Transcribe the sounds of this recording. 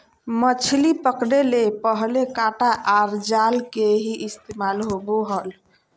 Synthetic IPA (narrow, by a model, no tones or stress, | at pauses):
mət͡ʃʰlipəkɽelepəɦlekaʈaʔaɾd͡ʒalkeɦiʔːst̪emalɦobuɦəl